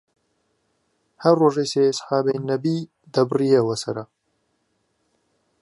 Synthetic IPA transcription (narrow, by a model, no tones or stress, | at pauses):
hɐɾroːʒejseːesħaːbɛjnɐbi | d̪ɐbɨriewɐsɐɾɐ